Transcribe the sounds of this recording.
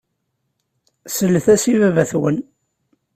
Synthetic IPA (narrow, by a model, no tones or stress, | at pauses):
səlːəθæsivævæθwən